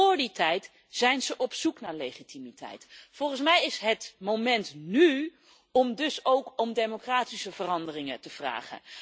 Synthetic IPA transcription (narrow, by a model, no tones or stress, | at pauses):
ʊːɹditɛjt | z̥ɛjnzəʔɔpsuknaːɹlejχitimitɛ̰jtfɔlˠχənsmɛjɪsɦətmomɛntny | ɔmdɵsowkɔmdejmokraːtisəvərɑndərɪŋətəv̥ra̰ːχə̰n